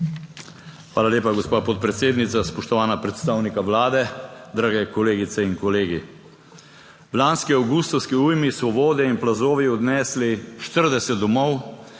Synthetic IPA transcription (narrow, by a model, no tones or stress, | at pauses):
xʋaːlaleːpaɡɔspaːpɔt̪̚pɾɛt̪seːd̪nit̪saspɔʃt̪ɔʋaːnapɾɛt̪st̪aːwnikaʋlaːd̪ɛd̪ɾaːɡɛkɔleːɡit̪sɛiŋkɔleːɡi | wlaːnskiawɡust̪ɔwskiuːjmisʋɔʋoːd̪ɛinplazoːʋiɔd̪nɛːsliʃt̪əɾd̪ɛsɛt̪d̪ɔmɔw